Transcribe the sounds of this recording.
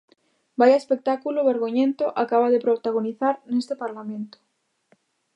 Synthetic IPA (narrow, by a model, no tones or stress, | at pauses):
bajaespek̚t̪akuloβeɾɣoɲẽnt̪oʔakaβaðepɾot̪aɣ̞oniθaɾnest̪epaɾlamẽnt̪o̥